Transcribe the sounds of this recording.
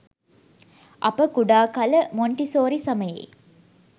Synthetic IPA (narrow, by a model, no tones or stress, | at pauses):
ʔɐpəkuɖaːkɐləmoɳʈisoːɾisɐməjḛː